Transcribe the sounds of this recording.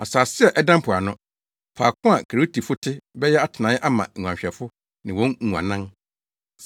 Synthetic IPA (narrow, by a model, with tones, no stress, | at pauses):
a˨saː˨sɪ˦ɛ˦˨ʔɛ˦dã˦m˦pʰʊ˨a˨nʊ̃˦ | pʰaː˨kʰʊ̃˦a˨kʰa˨ɾo˦tʰi˨fʊ˦tʰɪ˦bɛ˦jɛ˦a˦tʰɪ˨nã˨˦ʔa˦mã̰˨ŋ˨ũ˨ã˨ɕᶣɛ˨fʊ˦ | nɪ̃˨wɔ̃˦n˨ŋũ˨ã̰˨nã˦ŋ